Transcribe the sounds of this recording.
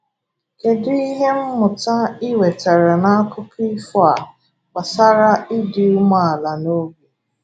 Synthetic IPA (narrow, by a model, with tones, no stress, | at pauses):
ke˨dɪ˦i˦ɦe˦m̩˦mʊ˨ta˦ɪ˦we˨te˨ɾe˨na˦a˦kʊ˦pi˦fɔ˦a˨ | ka˨sa˦ɾa˦ɪ˦dɪ˨u˦ma˦˨a˨la˨no˦ɡi˨